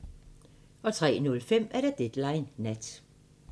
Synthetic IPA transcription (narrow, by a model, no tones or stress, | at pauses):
ʔɒ̽t͡sʰʁɛ̰ːnɔ̽lfem̰æɐɾ̥ɑ̈d̥ed̥lɑ̈ɪnːæd̥